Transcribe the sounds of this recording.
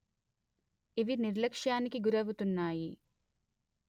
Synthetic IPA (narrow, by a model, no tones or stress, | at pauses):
iʋiniɾlɐkʂjaːnikiɡuɾɐʋut̪unːaːji